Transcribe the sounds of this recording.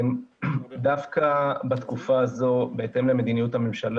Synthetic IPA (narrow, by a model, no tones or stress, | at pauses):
md̪afkabat̪kufaːzo̞be̞et̪e̞mle̞me̞d̪inijut̪hamemʃal